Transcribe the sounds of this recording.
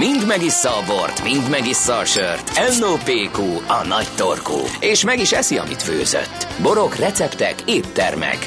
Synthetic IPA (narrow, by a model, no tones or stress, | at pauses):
mind̪mɛɡisːɒːbort̪mind̪mɛɡisːɒːʃørt̪ɛlːoːpeːkuːɒnɒct̪orkṵːeːʃmɛɡiʃɛsiɒ̰mḭt̪føːzø̰t̪ːbo̞ɾo̞krɛt̪sɛpt̪ɛkeːpt̪ːɛ̰rmɛ̰k